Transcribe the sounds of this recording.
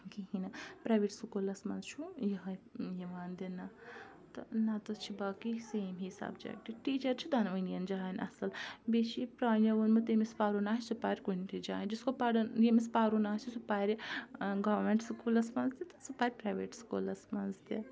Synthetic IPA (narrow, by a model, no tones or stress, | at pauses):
kiɦinɐpɾaːjʋeʈsukolɐsmɐnzt͡ʃʰujɐɦɐjiʋaːnd̪inɐ | t̪ɐnɐt̪ɐt͡ʃʰibaːkiseːmɦisa̰ːbd͡ʒa̰ːjʈiʈiːt͡ʃɐɾt͡ʃʰud̪ʱɐnʋɐnijɐnd͡ʒaːinɐ̰sɐlbet͡ʃʰipɾaːnɐʋɐnmɐt̪emispaːɾunaːɦt͡ʃʰsupaːɾʲkunʈ̪ʰid͡ʒa̰ːnd͡ʒiskopaɽɐnjemispaːɾunaːt͡ʃʰisupaːɾʲiɡɐʋɾmeɳʈsukulɐsmɐnzd̪ʲit̪ɐ̥supaːɾʲpɾaːjʋeːʈsu̥ko̰ːlɐsmɐnzt̪i